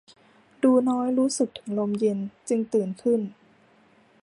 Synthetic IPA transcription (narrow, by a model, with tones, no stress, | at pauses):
duː˧nɔː˦˥jɾuː˦˥sɯ˨˩k̚t̪ʰɯ̥˩˦ŋlo˧mje˧nt͡ɕɯ˧ŋt̪ɯː˨˩nkʰɯ˥˩n